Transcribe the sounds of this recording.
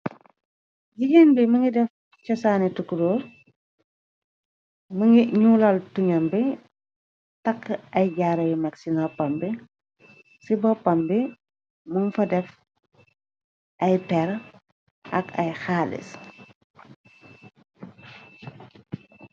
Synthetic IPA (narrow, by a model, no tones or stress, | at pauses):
ɟiɡenbiməŋɡidɛf | cɔsaːnitukːuɾɔːɾ | məŋɡiɲuːlɐltuɲɐmbi | tɐkːɐjɟaːɾɐjmɐksinɔpɐmbi | sibɔpɐmbi | muŋfɐdɛf | ʔɐjpɛɾ | ʔɐ̰kɐ̰jxaːlḭs